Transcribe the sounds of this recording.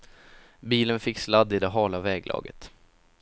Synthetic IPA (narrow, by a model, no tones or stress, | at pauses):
biːlənfɪkːslad̪ːɪd̪ɛɦɑːlavɛːɡlʔɑ̰ːɡə̰t̪